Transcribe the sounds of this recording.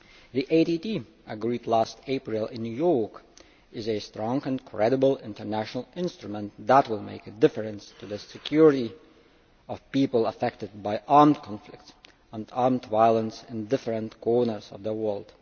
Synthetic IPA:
ðiʔeɪtiti | əɡɹidˡlæsteɪpɹɨl̩ˠɪ̃njujɔɹk | ɪzɨstɹ̥ɔ̃ŋɨ̃nkʰɹ̥ɛɾəbl̩ˠɪ̰̃ntə˞næʃənl̩ˠɪ̃nstɹ̥ɨmə̃nt̪ðət̚wɪlˠmḛɪkɨdɪfə˞ɨ̃nstʰɨðɨsɨkʰj̥ʊɹɨɾi | ʌv̥pipəl̩ˠəfɛk̚tɨd̚baɪʔɑɹmdkʰɑ̃ɱflɪk̚ts | ə̃nɑɹmdvaɪəlˠə̃nsɪ̃ndɪfɹə̃ntkʰɔɹnə˞zʌ̰vðəwɜ˞lˠd̥

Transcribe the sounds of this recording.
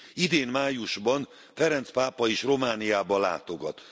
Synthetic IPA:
id̪eːnmaːjuʒbɒn | fɛɾɛnt̪spaːpɒiʃro̞maːnijaːbɒla̰ːt̪o̞ɡɒt̪

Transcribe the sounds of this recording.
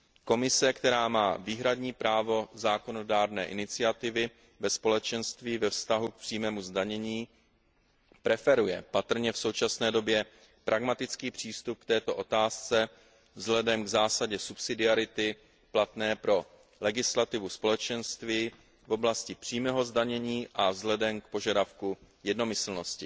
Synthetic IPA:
ko̞mɪsɛkt̪ɛɾaːmaːviːɦɾadɲiːpɾaːvo̞zaːko̞no̞daːɾnɛːʔɪnɪt͡sɪat̪ɪvɪ | vɛspo̞lɛt͡ʃɛnst̪viːvɛfst̪aɦuk̚pr̥iːmɛːmuzdaɲɛɲiː | pɾɛfɛɾujɛpat̪r̩ɲɛfso̞wt͡ʃasnɛːdo̞bjɛ | pɾʔaɡmat̪ɪt͡skiːpr̝̥iːst̪up̚kt̪ɛːt̪o̞ʔo̞t̪aːst͡sɛ | vzɦlɛdɛmɡzaːsaɟɛsupsɪdɪaɾɪt̪ɪ | plat̪nɛːpɾo̞ | lɛɡɪslat̪ɪvuspo̞lɛt͡ʃɛnst̪viː | vo̞blascɪpr̥iːmɛɦo̞zdaɲɛɲiːʔavzlɛdɛmkpo̞ʒadafkujɛdno̞mɪsl̩no̞scɪ

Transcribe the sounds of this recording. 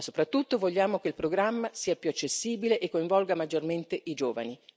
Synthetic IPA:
so̥pɾat̪ːut̪ːovoʎːaːmokeilpɾoɡɾamːasiːapjuat͡ʃːesːiːbileʔekːoiɱvɔlɡamad͡ʒːorment̪eʔid͡ʒoːva̰ni

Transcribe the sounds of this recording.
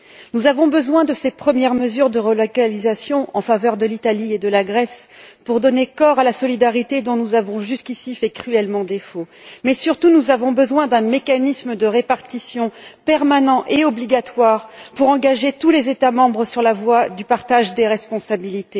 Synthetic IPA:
nuzavɔ̃bəzwɛ̃d̪əsepχəmjɛʁməzyʁd̪əʁəlɔkalizasjɔ̃ʔɑ̃favœʁd̪əlit̪alied̪əlaɡʁɛspuʁd̪ɔnekɔʁalasɔlid̪aʁit̪ed̪ɔ̃nuzavɔ̃ʒyskʲisifɛkχyɛlmɑ̃d̪efomɛsyʁt̪unuzavɔ̃bəzwɛ̃d̪ɛ̃mekanisməd̪əʁepaʁt̪isjɔ̃pɛʁmanɑ̃ʔeɔbliɡat̪waʁpuʁɑ̃ɡaʒet̪ulezet̪amɑ̃bʁəsyʁlavwad̪ypaʁt̪aʒd̪eʁɛspɔ̃sabilit̪e

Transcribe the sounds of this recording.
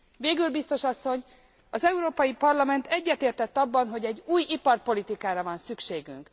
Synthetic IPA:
veːɡylbist̪o̞ʃɒsːo̞ɲ | ɒzɛuɾoːpɒjipɒrlɒmɛnt̪ɛɟːɛt̪eːrt̪ɛt̪ːɒbːɒnɦo̞ɟɛɟuːjipɒrpo̞lit̪ikaːɾɒvɒnsykʃeːɡy̰ŋk

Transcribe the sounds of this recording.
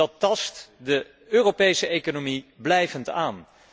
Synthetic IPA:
ɑtːɑstdə | øːropejsəʔejkonomiblɛjvəntaːn

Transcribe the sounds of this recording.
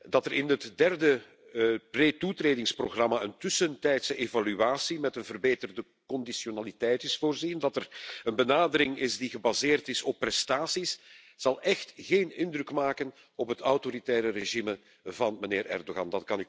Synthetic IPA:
dɑtəɾɪnɦətdɛrdə | preːtutreːdɪŋsproɣrɑmaəntɵsəntɛjtsəʔeːvalyaːsimɛtənvərbeːtərdə | kɔndisjonaːlitɛjtɪsfoːrzindɑtərənbənaːdəɾɪŋɪsdiɣəbazeːrtɪsɔpːrɛstaːsis | z̥ɑlˠɛxtɣeːnɪndrɵkmaːkən | ɔpɦətawtoɾitɛːɾəreʒimə | vɑnməneːrʔɛ̰rdoɣɑ̰ndɑtkɑny

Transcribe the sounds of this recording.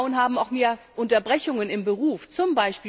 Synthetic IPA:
ʊənɦaːbm̩aʊxmeːɐʔʊntɐbʁɛçʊŋənɪmbəʁuːft͡sʊmbaɪʃpiː

